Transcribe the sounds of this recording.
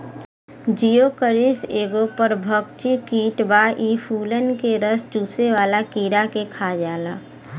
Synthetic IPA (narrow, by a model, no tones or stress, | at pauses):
d͡ʒijokəɾɪseːɡopəɾbʱəkt͡ʃikiːʈbaːʔiːpʰuːlənkeɾəst͡ʃuːseʋaːlakiːɾakekʰaːd͡ʒaːlaː